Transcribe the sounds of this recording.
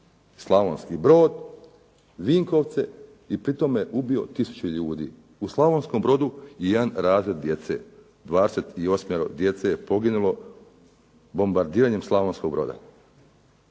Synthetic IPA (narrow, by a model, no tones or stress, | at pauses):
slˠaʋonskibɾo̞ːd̪ | ʋiːŋko̞ʋt̪se̞ | ipɾit̪o̞mjeʔubio̞̰t̪isu̥t͡ɕuʎuːd̪ḭː | uslˠaʋoːnskombɾo̞d̪uijed̪anɾaːzɾed̪̚d̪je̞t̪se̞̰ | d̪ʋaːd̪eset̪io̞smjeɾo̰d̪je̞t̪sejepo̞ɡinulo̞ | bo̞mbaɾd̪iːɾaɲemslˠaʋo̞nskoɡ̚bɾo̞̰ːd̪a̰